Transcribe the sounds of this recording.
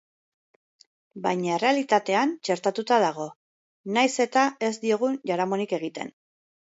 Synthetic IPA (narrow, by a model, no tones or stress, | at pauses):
bajɲaere̞alit̪at̪e̞ant͡ʃe̞ɾt̪at̪ut̪aðaɣ̞o̞ | najse̞t̪ae̞zd̪io̞ɣ̞unʝaɾamo̞nike̞ɣ̞it̪e̞̰n